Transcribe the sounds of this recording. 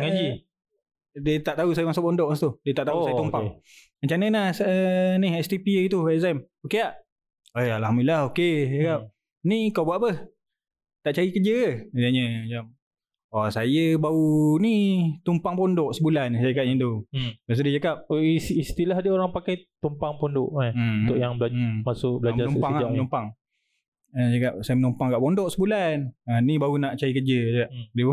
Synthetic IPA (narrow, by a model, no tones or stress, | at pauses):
ŋad͡ʒi | dət̪aʔt̪ausajəmasuʔpɔndɔʔãst̪udiət̪aʔt̪ausajət̪umpaŋ | aɲt͡ʃanənahsənihɛst̪ipiit̪uɛzam | okeaʔ | aalhamdiilahokeakap̚ | nikawbuaʔpəh | t̪aʔt͡ʃaɾikəd͡ʒəaaɲəd͡ʒam | ɔsajəbaunit̪umpaŋpɔndɔʔsəbulansd͡ʒakap̚ɲəd̪ubas̬ədid͡ʒakap̚ist̪ilaɦdəoɾaŋpakajt̪umpaŋpondʊʔant̪ʊʔjaŋbəlamasʊʔbəlad͡ʒanupaŋanumpaŋ | ad͡ʒakap̚sajəmənumpaŋkaʔpondɔʔsəbulananibaunaʔt͡ʃaɾikəd͡ʒəd͡ʒakapdi